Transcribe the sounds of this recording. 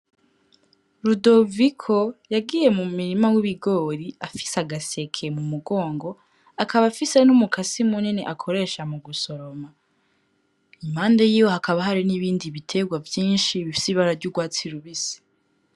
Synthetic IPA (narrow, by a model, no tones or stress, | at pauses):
ɾudo̞vikʰojaɡiːje̞mumiɾimawiβiɡo̞ːɾiafi̥saɡase̞kʰe̞mumuɡo̞ːŋɡo̞ | akaβafise̞numukʰasimuninḛʔakʰo̞ɾe̞ːʃamuɡuso̞ɾoma | im̥haːndajiːjo̞hakaβaɦaɾiniβiːndiβitʰe̞ɡwavjiːnʃiβifisiβaɾavɟuɡwaːt͡siɾuβisi̥